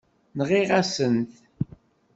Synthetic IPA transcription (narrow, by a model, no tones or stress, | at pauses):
nʁiʁasənt̪